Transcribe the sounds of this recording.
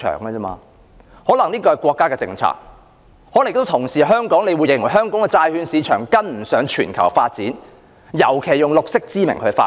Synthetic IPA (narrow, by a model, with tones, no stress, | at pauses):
œ̰ː˨˩ŋlɛː˧t͡sɛː˥ma̰ː˧ | hɔː˨˥lɐ˨˩ŋniː˥kɔː˧hɐ˨jkwɔː˧kːaː˥kɛ˧t͡sɪ̰˧ŋt͡sʰa̰ː˧k̚ | hɔː˨˥lkto˥wt̪ʰʊ˨˩ŋsiː˨˩ɦœː˥ŋkɔː˨˥ŋne˧jwu˨˧jɪ˨˩ŋwɐ˨˩jɦœː˥ŋkɔ˨˥ŋkɛ˧t͡saː˧jhyː˨˧nsiː˨˧t͡ʃʰœ̰ː˨˩ŋkɐ˥nm̩˨˩sœː˨˥ŋt͡ʃʰyː˨˩nkʰɐ̰˨˩wfaː˧t̚t͡siː˨˥n | jɐ˨˩wkʰe˨˩jʊ˨˩ŋlʊ˨k̚sɪ˥k̚t͡siː˥mɪ˨˩ŋkʰɵ˨˧fa̰ː˧